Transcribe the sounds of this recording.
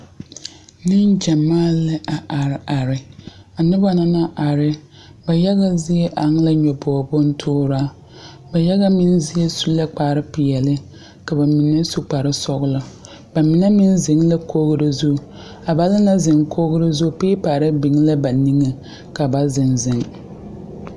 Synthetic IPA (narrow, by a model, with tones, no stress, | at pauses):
nɪ˦nd͡ʒa˨maː˦lɪ˦ʔa˨ʔa˨ɾɪ˨a˨ɾɪ˨a˨nɪ˦ba˦na˦na˦ʔa˨ɾɪ˦ | ba˨ja˦ɣa˦zɪ˦jɛ˦ʔa˨ŋ˦la˦ɲɔ˨bɔ˨bʊ˦n˦tʰʊː˦ɾaː˦ | ba˨ja˦ɣa˦mɪ˦nzɪ˦ɛ˦su˦lːa˦k͡paː˨ɾɪ˦pɪ˨jɛ˨lɪ˦ | ka˨ba˨mi˨nɛ˦su˦k͡pa˨ɾɪ˦sɔ˦ɣʊ˦la˦ | ba˨mɪ˨nɛ˦mɪ˦nzɪ˨ŋla˦kʰoː˦ɣʊ˦ɾɪ˦zu˦˨ | a˨ba˨˦lɪ˦na˦zɪ˨ŋkʰo˦ɣʊ˦ɾɪ˦zu˦peː˦paː˨ɾɪ˦bɪ˨ŋ˦la˦ba˨ni˦ŋe˦ | ka˨ba˨zɪ˨nzɪ˨ŋ